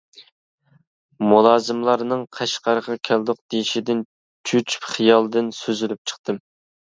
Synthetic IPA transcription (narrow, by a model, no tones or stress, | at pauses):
mulˠɑːzɨmlˠɑɾnɨŋqʰɛʃqɑɾʁɑkʲʰɛld̪ʊq̚d̪ejʃid̪ɪn | t͡ʃʰyt͡ʃʰy̥pχijɑlˠd̪ɨnsøzylyp̚t͡ʃʰə̥χt̪ɨm